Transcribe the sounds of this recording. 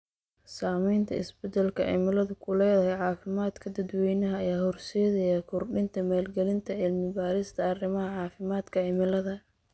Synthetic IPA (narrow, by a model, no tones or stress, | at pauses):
saːmɛjnt̪ʰɐ̰ɪ̰sbɛd̪ɛlkʰɐ̰ʕɪ̰mɪlɐðʊkʰʊlɛːðɐɦɛjʕɑːfɪmaːd̪kʰɐd̪ɐd̪wɛjnɐɦɐːjaːhɔrsɛːðɛjakʰʊrɖɪnt̪ʰɐmaːlɡɛlɪnt̪ʰɐʕɪlmɪbaːɾɪst̪ʰɐɐrɪmɐɦɐʕɑːfɪmaːd̪kʰɐʕɪmɪlɐðɐ